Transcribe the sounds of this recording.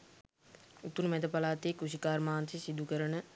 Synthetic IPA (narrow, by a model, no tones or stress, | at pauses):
ut̪ːunmɛd̪əpalaːt̪eːkɾusikaːɾmaːnsisid̪ʱukəɾənə